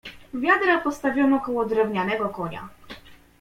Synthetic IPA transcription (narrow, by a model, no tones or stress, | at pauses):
vʲjad̪ɾapɔst̪avʲɔmɔkɔwɔd̪ɾɛvɲanɛɡɔkɔɲa̰